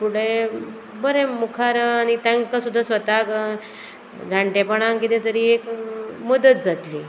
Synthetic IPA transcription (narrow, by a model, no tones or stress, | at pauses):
puɽe | bəɾẽmukʰaɾañit̪ãŋkasud̪ʱːasʋət̪ak | d͡zʱaɳʈepəɳaŋkit̪ẽt̪əɾiːekməd̪ət̪̚d͡zat̪li